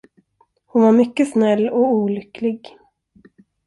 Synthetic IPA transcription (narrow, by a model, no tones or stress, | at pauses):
hʊnvaɾmʏkːəsnɛlːɔuːlʏkʰlɪɡ